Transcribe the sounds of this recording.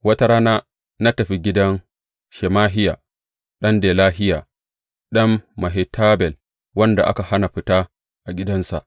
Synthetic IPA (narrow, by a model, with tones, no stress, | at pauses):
wɐ˦ta˦ɽaː˦naː˦ | na˦tɐ˨ɸi˦ɡʲɪ˦dɐ˦n | ʃɛ˨maː˦ɦɪ˦jaː˨ | ɗɐ˦ndeː˨laː˦ɦɪ˦jaː˨ | ɗɐ˦mːɐ˨ɦe˨tʰaː˦bɛ˨l | wɐ˦nda˨ʔa̰˦ka˨ha˦na˨ɸɪ˦taː˦ | ʔa˨ɡʲɪ˦dɐ˦nsa̰˨ʔ